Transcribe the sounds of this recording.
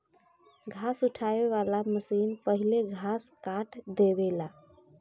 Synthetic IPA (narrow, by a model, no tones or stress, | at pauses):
ɡʱasuʈʰabeβalaməsinpəɦileɡʱaskaʈʰd̪ebela